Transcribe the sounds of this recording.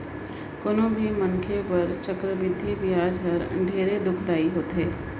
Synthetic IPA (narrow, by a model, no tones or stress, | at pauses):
konõbʱimɐŋkʰepɐɾt͡ʃəkɾəbɪd̪ʱːibijaːd͡ʒɐɾɖʱeːɾed̪ʊkʰd̪aːiɦoːt̪ɦeː